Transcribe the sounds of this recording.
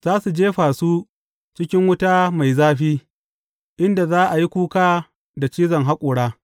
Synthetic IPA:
z̥aː˦su˨d͡ʒeː˦ɸaː˨su˦ | t͡ʃɪ˦kʲɪ˦ŋwʊ˦taː˦ma˨jzaː˦ɸiː˦ | ʔɪ˦nda˨zaː˦ʔa˨ji˦kʷuː˦kaː˦ | da˨t͡ʃiː˦zɐ˨ŋɦa˦kʷʼʊː˨ɽaː˦

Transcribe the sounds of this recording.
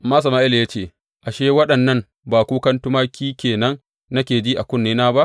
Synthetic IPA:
a˨mːaː˦s̬ɐ˨ma˦ʔɪ˦ljaː˦t͡ʃeː˦˨ | ʔa˨ʃeː˦wɐ˦ɗɐ˨nːɐ˦m | baː˨kʷuː˦kɐ˦ntʊ˦maː˦kʲiː˦kʲeː˨nɐ˦ŋ | nɐ˦kʲeː˨d͡ʒiː˦ʔa˨kʷʊ˦˨nːeː˦naː˦ba˦ʔ

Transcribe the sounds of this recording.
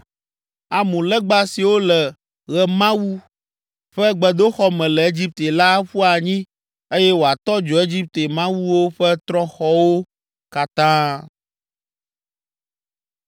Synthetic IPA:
a˨mũ˨lɛ˦ɡ͡ba˦si˨wo˦lɛ˨ | ɣɛ˨mã˦wu˦ | ɸɛ˦ɡ͡bɛ˨d̪o˦xɔ˦mɛ̃˨lɛ˨e˦d͡ʑi˦p̚t̪e˨la˦ɸu˦a˨ɲĩ˦ | e˦jɛ˦wo˨a˨t̪ɔ˦d͡ʒɔ˨e˦d͡ʑi˦p̚t̪e˨mã˦wu˦wo˦ɸɛ˦t̪ɾɔ̃˦xɔ˦wo˦ | ka˦t̪ã˦

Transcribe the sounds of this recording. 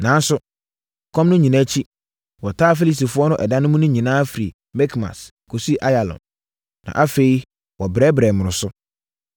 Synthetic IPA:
nã˨˦n˦sʊ˦˨ | kʰɔ̃˦mnʊ̃˦ɲĩ˨nã˦t͡ɕʰi˦ | wɔ˨tʰaː˦fe˦li˨s̬i˨fʊ˦ɔ˦nʊ̃˦ʔɛ˨dã˦nʊ̃˦mũ˦nʊ̃˦ɲĩ˨nãː˦fi˨ɾi˨ | mɛ˦kʰma̰˨s | kʰo˨si˦ʔa˦ja˨lɔ̰̃˨nː | ã̰˨ʔa˦fe˨i˦ | wɔ˨bɾɛː˦bɾɛ˨mʊ̃˨ɾʊ̃˨sʊ˦

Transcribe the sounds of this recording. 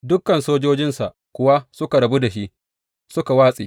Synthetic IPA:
dʊ˦kːɐ˨nsoː˦d͡ʒoː˦d͡ʒɪ˦nsa˨ʔkʷʊ˦wa˦sʊ˦ka˨ɽɐ˨bu˦da˨ʃi˦ʔ | sʊ˦ka˨waː˦sʼḭː˨

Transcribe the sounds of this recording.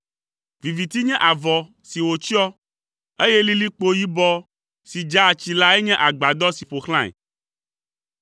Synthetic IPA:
vi˨vi˨t̪i˦ɲɛ̃˦ʔa˨vɔ˨ | si˨wo˨t͡ʃi˦ɔ˦ | e˦jɛ˦li˦li˦k͡po˦ji˦bɔ˦ | si˨d͡ʒa˦˨t͡ɕi˨la˦e˦ɲɛ̃˦ʔa˨ɡ͡ba˨d̪ɔ˦si˨ɸo˨xl̃ã˦ɛ̰˨

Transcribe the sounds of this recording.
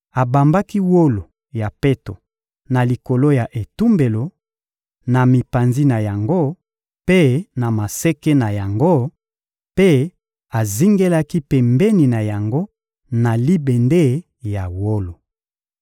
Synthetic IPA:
a˨ba˨mba˦ki˦wo˦lo˨ | ja˨pe˦to˨ | na˨li˨ko˨lo˦ja˨ʔe˨tu˦mbe˨lo˨ | na˨mi˨pa˨nzi˦na˨ja˨ŋɡo˦ | pe˦na˨ma˨se˦ke˦na˨ja˨ŋɡo˦ | pe˦ | a˨zi˦ŋɡe˦la˦ki˦pɛ˨mbɛ˦ni˨na˨ja˨ŋɡo˦ | na˨li˦be˨nde˦ | ja˨wo˦lo˨

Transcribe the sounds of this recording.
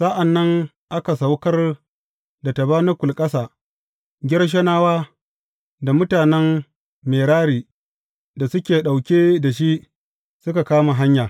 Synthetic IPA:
sa˦ʔa˨nːɐ˦ŋ | ʔa˦ka˨sa˨wkɐ˦r | da˨ta˨baː˦na˦kʷʊ˨lkʼɐ˦saː˨ | ɡʲɪ˦ɽʃ̬ɐ˦naː˦waː˦ | da˨mʊ˦taː˨nɛ˦m | meː˨ɽaː˦ɽiː˨ | da˨sʊ˦kʲeː˨ɗa˨wkʲeː˦da˨ʃ̬i˦ʔ | sʊ˦ka˨kaː˦ma˨ɦa˦ɲjaː˨

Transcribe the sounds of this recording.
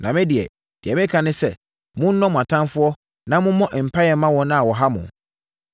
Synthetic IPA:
nʔã˨mɪ̃˦dɪ˨ɛ̰˨ | d̥ɪ˨ɛ˨mɪ̃˦kʰã˨nɪ̃˦sɛ˦ | mʊ̃˦n̩˦nɔ̃˦mʊ̃˨a˨tʰã˦nfʊ˦ɔ˦ | nã˦mʊ̃˦mɔ̃˦ʔm̩˨pʰa˦jɛ˨˦mã˦wɔ̃˨˦nã˦a˨wɔ˨ɦa˦mʊ̰̃˨

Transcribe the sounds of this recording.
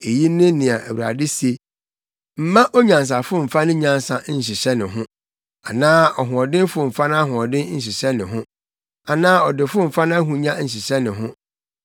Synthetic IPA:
e˨ji˦nɪ̃˦nɪ̃˨a˨ʔæ̰˨wu˨ɾa̰˨dɪ˦se˨ | m̩˨mã˦ʔɔ˦ɲã˨ns̬a˨fʊ˦m̩˨fa˦nʊ̃˦ɲã˦nsa˨˦˨ɕ̬ɪ˨ɕɛ˦nɪ̃˨ɦʊ̃˦ | a˨nãː˦ɔ˨ɦʊ̃˨ɔ˨dɪ̃˦fʊ˦m̩˨fa˦ñ˦ɦʊ̃˨ɔ˨dɪ̃˦ɲ̩˨ɕ̬ɪ˨ɕɛ˦nɪ̃˨ɦʊ̃˦ | a˨nãː˦ɔ˨dɪ˨fʊ˦m̩˨fa˦ñ˦a˦ɦũ˨ɲã˦ɲ̩˨ɕ̬ɪ˨ɕɛ˦nɪ̃˨ɦʊ̃˦

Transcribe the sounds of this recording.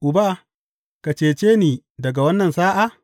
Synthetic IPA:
ʔʊ˨baː˦ | ka˨t͡ʃeː˨t͡ʃeː˦niː˨dɐ˨ɡa˨wɐ˦nːɐ˨nsaː˦ʔa˦˨

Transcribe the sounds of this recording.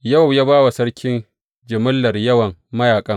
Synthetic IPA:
jɐ˦˨wjaː˦baː˦wa˨sɐ˦ɽkʲʰɪ˦n | d͡ʒɪ˨mʊ˦lːɐ˨rjɐ˦wɐ˨ŋmɐ˦jaː˨kʼɐ˦ŋ

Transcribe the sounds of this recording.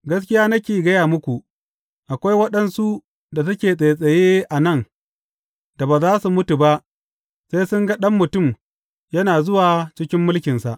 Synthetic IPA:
ɡɐ˦skʲɪ˦jaː˦nɐ˦kʲeː˨ɡɐ˦jaː˨mʊ˦kʷu˨ʔ | ʔa˨kʷa˦jwɐ˦ɗɐ˨nsu˦ʔ | da˨tɐ˦kʲeː˨sʼe˨sʼɐ˨jeː˦ʔa˨nɐ˦˨n | d̥a˨baː˨zaː˦su˨mʊ˦tu˨ba˦ʔ | sa˦jsʊ˦ŋɡɐ˦ɗɐ˦mːʊ˨tʊ˦˨m | jɐ˦naː˨zʊ˦waː˨t͡ʃɪ˦kʲɪ˦mːʊ˦lkʲɪ˨nsa˨ʔ

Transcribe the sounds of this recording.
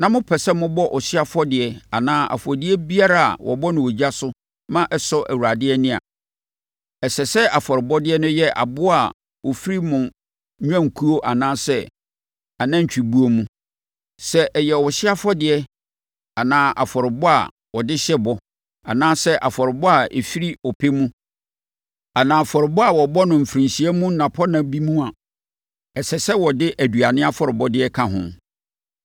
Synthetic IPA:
nã˨mʊ̃˦pʰɛ˨sɛ˦mʊ̃˦bɔ˦ʔɔ˨ɕɪ˦a˦fɔ˦dɪ˨ɛ˨a˨nãː˦ʔa̰˨fɔ˨dɪ˦ɛ˦bi˦a˦ɾa˦a̰˨wʔɔ̰˨bɔ˦nʊ̃˨wo˨d͡ʑa˦sʊ˦ | mã˦ʔɛ˨sɔ˦ʔæ˨wu˨a˨dɪ˦ɛ˦nɪ̃˦a̰˨ | ɛ˨sɛ˨sɛ˦ʔa˨fɔ˨ɾɪ˨bɔ˦dɪ˦ɛ˦nʊ̃˦jɛ˦ʔa̰˨bʊ˦a˨ | wʔɔ˨fi˦ɾi˦mʊ̃˨˦ | ɲᶣ˦ã˦ŋ̩˨kʰu˦o˦ʔa˨nãː˦sɛ˦ | a˨nã˦ɲ̩˨t͡ɕᶣi˨bu˦o˦mũ˦ | sɛ˦ʔɛ˨jɛ˨wɔ˨ɕɪ˦a˦fɔ˦dɪ˨ɛ˦ | a˨nãː˦ʔa˨fɔ˨ɾɪ˨bɔ˦a̰˨ | wɔ˨dɪ˦ɕɛ˦bɔ˦ | a̰˨nãː˦sɛ˦ʔa˨fɔ˨ɾɪ˨bɔ˦a˨ḛ˨fi˦ɾi˦ɔ˨pʰe˦mũ˦ | a˨nãː˨a˨fɔ˨ɾɪ˨bɔ˦a˨wɔ˨bɔ˦nʊ̃˨m̩˨fɾĩ˨nsi˨ɛ˦mũ˦n̩˦nã˨pʰɔ˦nã˨bi˦mũ˦a˨ | ɛ˨sɛ˨sɛ˦wɔ˨dɪ˦ʔæ˨du˨a˨nɪ̃˦a˦fɔ˨ɾɪ˨bɔ˦dɪ˦ɛ˦kʰã˦˨ɦʊ̰̃˦˨

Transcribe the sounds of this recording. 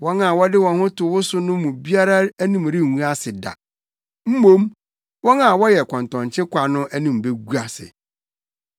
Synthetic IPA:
wɔ̃˦na˨wɔ˦dɪ˦wɔ̃˨nhʊ̃˦tʰʊ˨wʊ˦sʊ˦nʊ̃˦mʊ̃˨bi˦a˦ɾa˦æ˦nĩ˨m˨ɾɪ˦˨ũ˦a˦sɪ˨da̰˨ | m̩˦mõ˦m | wɔ̃˦na˨wɔ˦jɛ˨kʰɔ̃˨ntɔ̃˨ɲ˨t͡ɕʰɪ̃˦kʷa˨nʊ̃˦ʔæ˦nĩ˨m̩˨be˦ɡu˦a˨sɪ̰˨

